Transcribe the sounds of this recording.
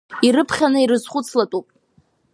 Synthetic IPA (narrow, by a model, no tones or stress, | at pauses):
iɾɨpʰχʲanɨiɾɨzχʷʊt͡sʰlatʼupʼ